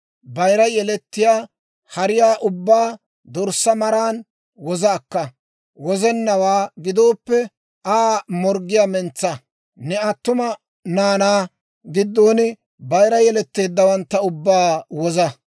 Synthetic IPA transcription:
bɐjɾɐjɛlɛt̪ːɪjaː | hɐɾɪjaːʔʊbːaː | d̪ɔɾsːɐmɐɾaːn | wɔzɐːkːɐ | wɔzɛnːɐwaːɡɪd̪o̞ːpːɛ | aːmɔɾɡɪjaːmɛnt͡sːɐ | nɛɐt̪ːʊmɐ | naːnaː | ɡɪd̪ːo̞ːnɪ | bɐjɾɐjɛlɛt̪ːe̞ːd̪ːɐwɐnt̪ːɐʊbːaːwɔzɐ

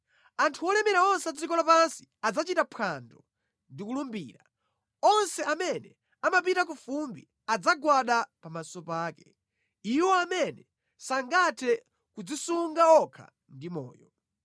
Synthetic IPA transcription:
antʰuwɔlɛmɛɾaɔnsɛad͡zikɔlapansi̥ad͡zat͡ʃitapʰandɔ | ndikulumbḭːɾa | ɔnsɛamɛnɛ | amap̬itak̬ufumbi | ad͡zaɡwaɗapamasɔpaːkɛ | iwɔamɛnɛ | saŋɡatʰɛ | kud͡zisuŋɡaɔkʰa̰ | ndimɔ̰ːjɔ

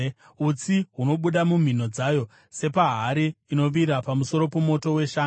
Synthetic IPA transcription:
ut͡siɦuno̞ɓuɗamum̤ino̞d͡zajo̞ | se̞paɦaɾiːino̞ʋiɾapamuso̞ɾo̞pomo̞to̞we̞ʃaː

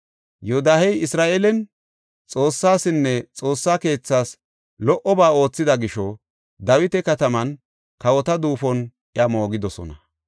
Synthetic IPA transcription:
joːd̪aːhɛjɪsɾaːʔelɛn | t͡sʼo̞ːsːaːsɪnːɛt͡sʼo̞ːsːaːke̞ːt͡sːaːs | lɔʔɔbaːo̞ːt͡sːɪd̪ɐɡɪʃɔ | d̪ɐwɪt̪ɛkɐt̪ɐmɐn | kɐwɔt̪ɐd̪uːfɔnʔɪamo̞ːɡɪd̪ɔsɔ̰nɐ

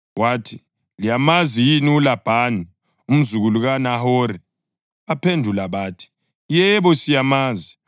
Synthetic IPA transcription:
waːtʰi | lijamazijiniulab̥ʱani | um̩zuɣuluɣanahɔɾi | apʰendʱulaβaːtʰi̥ | jɛβɔsijamaːzi

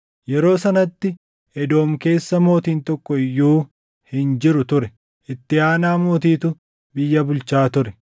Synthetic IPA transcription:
jɛɾo̞ːsɐnɐt̪ːɪ | ɛd̪o̞ːmke̞ːsːɐmo̞ːt̪iːnt̪ɔkːɔɪjːuː | hɪnd͡ʒɪɾʊt̪ʊɾɛ | ʔɪt̪ːɪaːnaːmo̞ːt̪̬iːt̪ʊ | bɪjːɐbʊlt͡ʃaːt̪ʊɾɛ

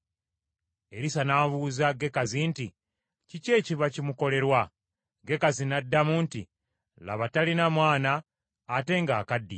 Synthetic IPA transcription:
e̞ɾisanaːvuːzaɡe̞kazinti | cice̞ːciβacimuko̞le̞ɾwa | ɡe̞kazinadːamuːnti | la̰βatalinamwaːnaː | te̞ŋɡa̰ːkadːḭ

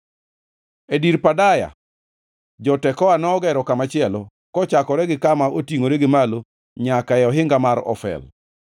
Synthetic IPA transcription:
ediɾpadaja̰ | d͡ʒɔtɛkɔanɔɔɡɛɾɔkamat͡ʃɪɛlɔ | kɔt͡ʃakɔɾɛɡɪkamaotiŋoɾɛɡɪmalo | ɲakaɛɔɦɪŋɡamaɾɔ̰fɛ̰l

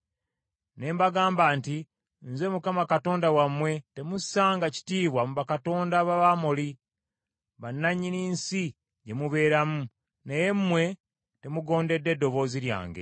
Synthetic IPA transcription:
ne̞ːmbaɡaːmbaːnti | nze̞mukamakato̞ːndawamwe̞te̞musaːŋɡaci̥tiːβwamuβakato̞ːndaβaβamoli | βanːaɲːiniːnsi | ɟe̞muβe̞ːɾamu | neje̞mmːwe̞ | te̞muɡo̞ːnde̞dːe̞dːo̞βo̞ːziɾja̰ːŋɡe̞̰

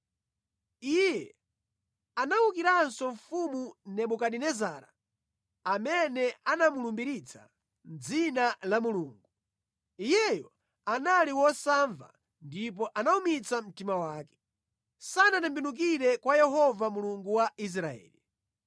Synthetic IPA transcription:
ijɛ | anawukiɾansɔɱfumunɛɓukaɗinɛzaːɾa̰ | amɛnɛanamulumbiɾit͡sʰḁ̰ | nd͡zinalamuluːŋɡu | ijɛjɔ | analiwɔsaɱva̰ | ndip̬ɔʔanaumit͡sam̩timawaːkɛ̥ | sanatɛmbinuk̬iɾɛkwajɛɦɔvamuluŋɡuwais̬ɾaɛ̰ːli

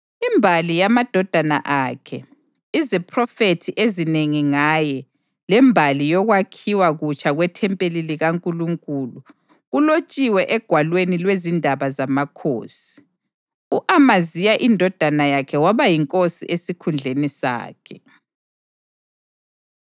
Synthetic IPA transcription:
imbʱalijamad̥ʱɔd̥ʱana̰ʔakʰɛ | izɛpʰrɔfetʰiʔezineŋiŋajɛ | lɛmbʱalijɔɣwakʰiwaɣut͡ʃʰʼaɣwɛtʰɛmpʼeliliɣaŋkʼuluŋkʼulu | ɣulot͡ʃʼiwɛʔɛɡ̥ʱwalwenilwezindʱaβazamakʰo̰ːsi̥ | uʔamazijaʔindʱɔd̥ʱanajakʰɛwaβajiŋkʼosḭʔesikʰund͡ɮʱenisa̰ːkʰɛ

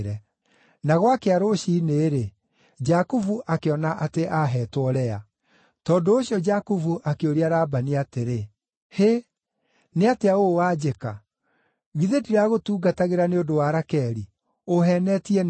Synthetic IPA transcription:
ɾɛ | naɣwakeaɾoɕiːneːɾe | d͡ʒakuvuʔakeɔnaʔateʔaɦɛːtwɔɾɛa | tɔːndoːɕiɔd͡ʒakuvuʔakeoɾiaɾaːbaniateɾe | he | neateaowad͡ʑeka | ɣiðediɾaɣotuːɡataɣeɾaneodowaɾakɛɾi | oɦɛnɛtiɛn

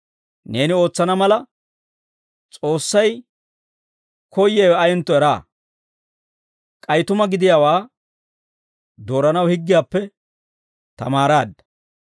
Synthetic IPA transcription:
ne̞ːnɪo̞ːt͡sːɐnɐmɐlɐ | t͡sʼo̞ːsːɐj | kɔjːɛwɛɐjɛnt̪ːɔɛɾa̰ː | kʼɐjt̪ʊmɐɡɪd̪ɪjaːwaː | d̪o̞ːɾɐnɐwhɪɡːɪjaːpːɛ | t̪ɐ̰maːɾaːd̪ːɐ̥

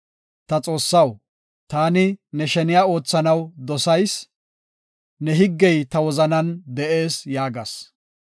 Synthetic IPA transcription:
t̪ɐt͡sʼo̞ːsːɐw | t̪aːnɪnɛʃɛnɪjaːo̞ːt͡sːɐnɐwd̪ɔsɐjs | nɛɦɪɡːɛjt̪ɐwɔzɐnɐnd̪ɛʔe̞ːsjaːɡɐs

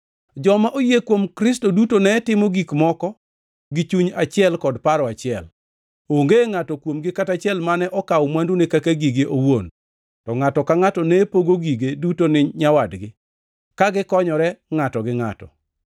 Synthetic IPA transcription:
d͡ʒɔmaʔojekwomkɾɪstodutonɛtɪmoɡikmɔkɔ | ɡɪt͡ʃuɲat͡ʃɪɛlkɔdpaɾɔat͡ʃɪɛl | oŋɡeŋatɔkwomɡɪkatat͡ʃɪɛlmanɛʔɔkawmwandunekakaɡiɡeʔowon | tɔŋatɔkaŋatɔnɛpoɡoɡiɡedutonɪɲawadɡɪ | kaɡɪkɔɲɔɾɛŋatɔɡɪŋa̰tɔ̰

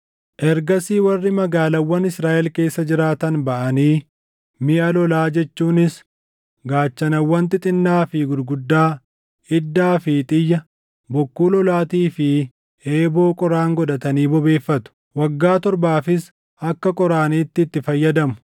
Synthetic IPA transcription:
ʔɛɾɡɐsiːwɐrːɪmɐɡaːlɐwːɐnɪsɾaːʔɛlke̞ːsːɐd͡ʒɪɾaːt̪ɐnbɐʔɐniː | mɪʔɐlɔlaːd͡ʒɛt͡ʃːuːnɪs | ɡaːt͡ʃːɐnɐwːɐnt̪ɪt̪ʼɪnːaːfɪɡʊd̪ɡʊd̪ːaː | ɪd̪ːaːfɪt̪ʼɪjːɐ | bɔkːuːlɔlaːt̪iːfɪ | eːbo̞ːkʼɔɾaːŋɡɔd̪ɐt̪ɐniːbɔbe̞ːfːɐt̪ʊ̥ | wɐɡːaːt̪ɔɾbaːfɪs | ɐkːɐkʼɔɾaːniːt̪ːɪt̪ːɪfɐjːɐd̪ɐmʊ̥

